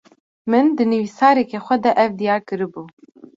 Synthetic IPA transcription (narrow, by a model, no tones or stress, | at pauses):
mɨnd̪ɨnɨvisɑːɾɛkɛxʷɛd̪ɛʔɛvd̪ijɑːɾkɨɾɨbuː